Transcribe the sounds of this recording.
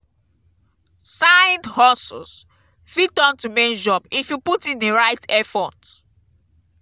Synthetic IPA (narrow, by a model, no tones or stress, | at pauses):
sãj̃ndhɔsɔ̰s | fitɔ̃ntumend͡ʒɔbifjuputĩneɹaɪtɛfɔt